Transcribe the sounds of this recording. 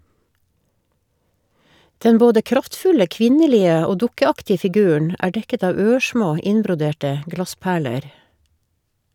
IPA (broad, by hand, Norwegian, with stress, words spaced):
ˈdɛn ˈboːdə ˈkɾɑftˌfʉlə ˈkʋɪnəˌliːə ˈoː ˈdʊkəˌɑktɪə fɪˈɡʉːəɳ ˈæː ˈɖɛkət ˈɑːʋ ˈøːˌʃmoː ˈɪnbɾʊˌdeːʈə ˈɡlɑˌspæːɭəɾ